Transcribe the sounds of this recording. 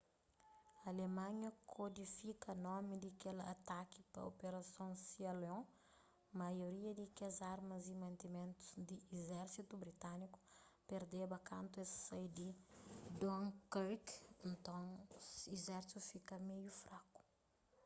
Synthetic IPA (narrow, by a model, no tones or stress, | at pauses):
alemaɲəkʰod̪ifikanɔmid̪ikɛla̰t̪aki̥pa̰opeɾasjɔ̃sialɔ̃ | majoɾiad̪ikezaɾmazimãnt̪imɛnt̪u̥sd̪iɛzɛɾsit̪ubɾit̪aniku̥ | peɾd̪ebakant̪uɛsajd̪id̪ɔ̃ŋkɾiknt̪ɔ̃ŋezɛɾsufikamejufɾaku̥